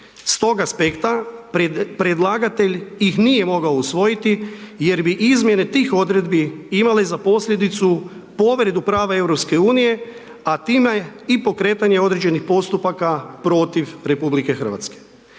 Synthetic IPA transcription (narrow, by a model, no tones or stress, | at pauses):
st̪o̞ɡaspe̞kt̪a | pɾed̪lˠaːɡat̪e̞ʎjixnije̞mo̞ɡaousʋo̞jit̪ije̞ɾbiʔizmje̞ne̞t̪iːxo̞d̪ɾe̞d̪biimalezapo̞sʎʲe̞d̪it̪supo̞ʋɾed̪upɾaːʋae̞ʋɾo̞pske̞uːnije̞ | at̪iːmeipo̞kɾe̞ːt̪aɲe̞o̞d̪ɾe̞d͡ʑe̞nixpo̞st̪upakapɾo̞t̪iʋɾe̞publike̞xr̩ʋa̰t̪ske̥